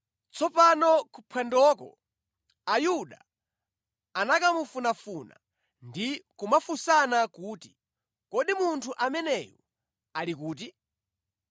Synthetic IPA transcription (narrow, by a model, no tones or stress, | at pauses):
t͡sɔpanɔkupʰwɛndɔkɔ̰ | ajuɗa | anakamufunafuna̰ | ndikumafusanakuːti̥ | kɔɗimuntʰuʔamɛnɛjɔ | alikuːt̬i